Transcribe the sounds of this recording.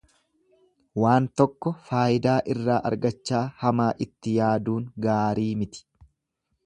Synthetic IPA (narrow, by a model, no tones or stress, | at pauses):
waːnt̪ɔkːɔfaːɪd̪aːʔɪrːaːʔɐ̰ɾɡɐt͡ʃːaːhɐmaːʔɪt̪ːɪjaːd̪uːŋɡaːɾiːmɪt̪ɪ̥